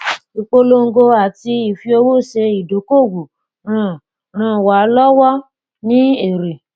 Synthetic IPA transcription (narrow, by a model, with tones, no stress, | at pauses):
i˨k͡po˧lo˦ŋ̩˦ɡo˧a˨ti˧i˨fi˧o˧wo˦˨ʃe˧i˨do˨˦ko˦˨ɡo˨ | ɾã˦˨ | ã˦˨wa˨˦lɔ˦wɔ˦ | nĩ˦e˨ɾe˨